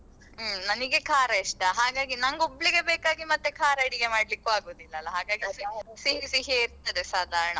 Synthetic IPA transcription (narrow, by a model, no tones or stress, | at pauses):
nɐniɡe̞kʰaːɾɐiʂʈɐɦaːɡaːɡinɐŋɡobɭiɡe̞beːkaːɡimɐt̪ːekʰaːɾɐiɽiɡe̞maːɽlikːuaːɡoːd̪ilːɐːlːɐɦaːɡaːɡissiɦisiɦeiɾt̪ɐd̪esaːd̪ʱaːɾɐɳɐ